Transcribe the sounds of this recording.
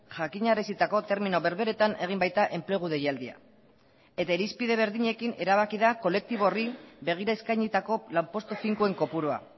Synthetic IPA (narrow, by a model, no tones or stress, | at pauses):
ʝakiɲaɾesit̪ako̞t̪e̞ɾmino̞βe̞ɾβe̞ɾe̞t̪ane̞ɣ̞imbajt̪aʔe̞mple̞ɣ̞uð̞e̞jald̪ia̰ | e̞t̪aeɾispiðe̞βe̞ɾðiɲe̞kine̞ɾaβ̞akiðako̞le̞k̚t̪iβo̞ribe̞ɣ̞iɾaeskajɲit̪ako̞lampo̞st̪ofiŋkue̞ŋko̞puɾoa̰